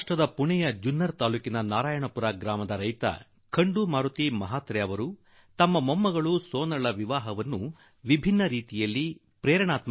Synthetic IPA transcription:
ʈɾɐd̪ɐpuɳɛjɐd͡ʒunːɐɾt̪aːluːkinɐnaːɾaːjɐɳɐpuɾaːɡɾaːmɐd̪ɐɾɐjt̪ɐ̰ | kʰɐɳɖumaːɾut̪imɐɦaːt̪ɾɛjɐʋɐɾu | t̪ɐmːɐmɐmːɐɡɐɭusoːnɐɭɐʋiʋaːɦɐʋɐnːu | ʋibʱinːɐɾiːt̪ijɐlːi | pɾɛːɾɐɳaːt̪̚mɐ

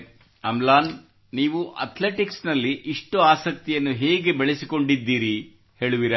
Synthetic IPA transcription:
ɐmlaːn | niːʋuʔɐ̰t̪ʰle̞ʈiksnɐlːiʔiʂʈuaːsɐk̚t̪ijɐnːuɦeːɡe̞beɭesiko̞ɳɖid̪ːiːɾi | he̞ːɭuʋiɾɐ

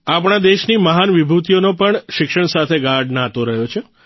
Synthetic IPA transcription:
apɳ̃ad̪eʃniməɦanʋibʱut̪ijonopəɳʃɪkʃəɳsat̪ʰeɡaɾɖnãt̪oɾəɦjot͡ʃʰe

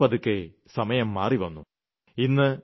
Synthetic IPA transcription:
ɐðukːe | sɐmɐjɐmːaːriʋɐnːu | inːɨ

